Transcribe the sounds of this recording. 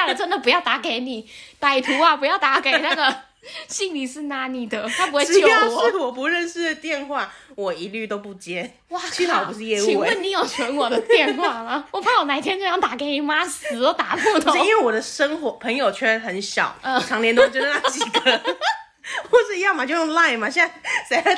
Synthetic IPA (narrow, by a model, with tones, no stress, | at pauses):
a˥˩lə˨˩ʈ͡ʂə˥nd̪ə˨pu˧˥jɑ˥˩ʊt̪a˧˥ke˨˩˦ɪni˨˩˦t̪a˨˩ɪt̪ʰu˧˥ɐ˨pu˧˥jɑ˥˩ʊt̪a˧˥ke˨˩˧ɪna˥˩ɡə˩ | ɕi˥˩ŋli˨˩ʂɻ̩˥˩na˧˥˦ni˨˩d̪ə˨t̪ʰa˥pu˧˥we˥˧˥jo˥˩˧ɔ˨˦˥wɔ˨˩p̬u˧˥ɻə˥˧nʂɻ̩˥˧t̪jɛ˥˧nxwa˥˩wɔ˨˩i˧˦˥ly˥˩t̪o˥ʊpu˥˩t͡ɕjɛ˥ | wa˥˩y˥˧˥tɑ˨˩ʊu˧˦ʂɻ̩˥˧jɛ˥˧ui˨wə˥˩ni˨˥jo˨˩ʊswə˧˥nwɔ˨˩d̪ə˦t̪jɛ˥˧nxwa˥˩lɐ˩wɔ˨˩pʰa˥ŋwɔ˨˩na˧˥t̪ʰjɛ˥nt͡ɕjjɑ˥ŋt̪a˨˩ke˨˧ɪni˨˥ma˥s̩˨˩t̪o˥t̪a˨˥pu˥˧t̪ʰi˦nwe˥˩ɪwɔ˨˩d̪ə˦ʂə˥ŋxwɔ˧˦pʰə˧˥ŋjo˨˩ʊt͡ɕʰɥɛ˥˩ə˧xə˨˦nɕjɑ̰˨˩˦ʊə˥˧˩ʈ͡ʂʰɑ˧˥ŋljɛ˧˥nt̪o˥˩t͡ɕjə˧na˥˧t͡ɕi˨˩ɡə˦ | xwɔ˥˧˩ʂɻ̩˥˧jɑ˥˩ŋma˨t͡ɕjo˥˧ʊjo˥˧ŋla˥˩ɪma˨˩ɕɛ˥na˥˩sa˧˥ɪ˥˧